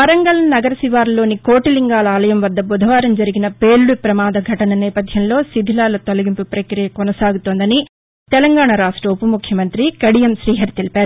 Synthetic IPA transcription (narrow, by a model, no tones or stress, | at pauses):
pɐɾɐŋɡɐlɐnɐɡɐɾɐsiʋaːɾlo̞ːnikoːʈiliŋɡaːlɐaːlɐjɐmʋɐd̪ːɐbud̪ʱɐʋaːɾɐmd͡ʒɐɾiɡinɐpeːlːupɾɐmaːd̪ɐɡʱɐʈɐnɐnɛːpɐd̪ʱjɐmlo̞ːsid̪ʱilaːlɐt̪olɐɡimpupɾɐkɾijɐkɔnɐsaːɡut̪oːnd̪ɐni | t̪ɛlɐŋɡaːɳɐɾaːʂʈɾɐupɐmukʰjɐmɐnt̪ɾikɐɽijɐmʃɾiːɦɐɾt̪elipaːɾu